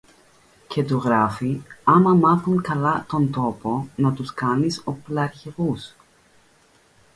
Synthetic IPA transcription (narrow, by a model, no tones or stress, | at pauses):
ce̞t̪uɣɾɐfiɐmɐmɐθuŋkɐlɐt̪o̞nd̪o̞po̞nɐt̪uskɐniso̞plɐɾçeɣus